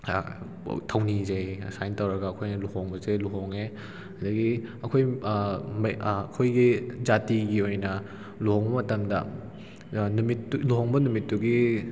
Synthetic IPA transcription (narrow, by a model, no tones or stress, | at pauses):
tʰɐwnizejsajntɐwɾɐɡɐːkʰojnɐluhoŋbɐseluɦoŋe | adɐɡiɐkʰoj | mːkʰojɡid͡ʒatiɡiojnɐ | luhoŋbɐmɐtɐmdɐ̰ | numitːluɦoŋbɐnumitːuɡi